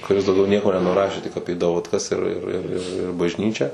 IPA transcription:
kʊˈrʲɪs dɐʊˈɡʲɛʊ ˈnʲiɛkoː nʲɛnʊˈrɑːʃʲeː tʲɪk ˈɑːpʲiɛ dɐʋɐtˈkɐs ɪr ɪr ɪr ɪr ɪr bɐʒʲˈnʲiːt͡ʃʲæː

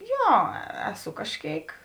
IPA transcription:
ˈjoː ˈæːˌsʊ kɐʃʲˈkʲeːɪk

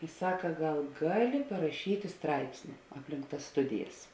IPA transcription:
ɪ ˈsɑːkɐ ˈɡɐlˠ ˈɡɑːˌlʲɪ pɐrɐˈʃʲiːtʲɪ ˈstrɐɪpʲsʲnʲɪ ˈɑːpʲˌlʲɪŋk tɐs ˈstʊdʲɪjɛs

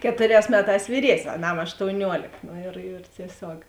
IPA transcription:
ˈkʲæːtʊˌrʲɛːs ˈmʲæːˌtɑːs ʋʲiːˈrʲiɛsʲnʲsʲ ɐˈnɐm ɐʃtoːʊˈnʲuɔlʲeːk noː ɪr ɪr tʲiɛˈsʲoːk

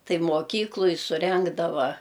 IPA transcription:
ˈtɐɪ moːˈkʲiːklˠʊj sʊˈrʲɛŋɡdɐʋɐ

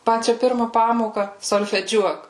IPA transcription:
ˈpɑːt͡ʃʲɛ ˈpʲɪrmɐ ˈpɑːmoːkɐ soːlʲfʲɛˈd͡ʒʲuɔk

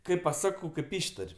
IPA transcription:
kɐɪp pɐˈsɑːkɐʊ kɐɪp ˈɪʃtɐrʲ

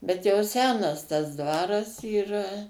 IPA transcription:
bʲɛt jɛʊ ˈsʲæːnɐs tɐs ˈdʋɑːrɐs iːˈrɐ

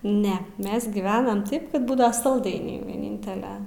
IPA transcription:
ˈnʲɛ ˈmʲɛs ɡʲiːˈʋʲæːnɐm ˈtɐɪp ˈkɐt ˈbuːdɐ sɐlˠˈdɐɪnʲɛɪ ʋʲiɛˈnʲɪnʲtʲɛlʲɛ

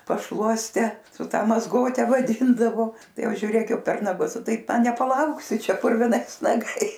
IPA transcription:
pɐʃˈlˠuɔsʲtʲɛ sʊ ˈtɐ mɐzˈɡoːtʲɛ ʋɐˈdʲiːndɐʋoː ˈtɐɪ ˈjɛʊ ʒʲʊˈrʲeːk ˈjɛʊ pʲɛr nɐˈɡʊs ˈtɐɪp nʲɛpɐˈlˠɐʊksʲɪ ˈt͡ʃʲɛ pʊrʲʋʲɪˈnɐɪs nɐˈɡɐɪs

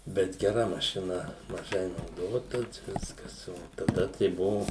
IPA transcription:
ˈbʲɛt ɡʲɛˈrɐ mɐʃʲɪˈnɐ mɐˈʒɐɪ nɐʊˈdoːtɐ ˈʋʲɪskɐs ˈoː tɐˈdɐ tɐɪ ˈbʊʋʊ

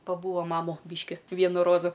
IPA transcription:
pɐˈbuːɐ ˈmɑːmʊ ˈbʲɪʃʲkʲɪ ˈʋʲiɛnʊ ˈroːzʊ

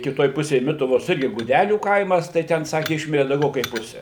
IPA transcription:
kʲɪˈtoːj ˈpʊsʲeːj ˈmʲɪtʊʋoːs ˈɪrʲɡʲɪ ɡʊˈdʲæːlʲuː ˈkɐɪmɐs tɐɪ ˈtʲɛn ˈsɑːkʲɪ ˈɪʃʲmʲɪrʲɪ dɐʊˈɡʲɛʊ kɐɪp ˈpʊsʲɛ

